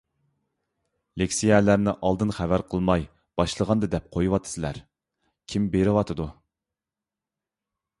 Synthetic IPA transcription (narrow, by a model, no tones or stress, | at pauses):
lekʲsijɛlæɾnɪʔɑlˠd̪ɨnχævæɾqʰəlˠmɑj | b̥ɑʃlˠəʁɑnd̪ɨd̪ɛp̚qʰojuwɑt̪ʰːɨ̥sɨlæ̰ɾ | kʲʰimbeɾɪwɑt̪ʰɨd̪u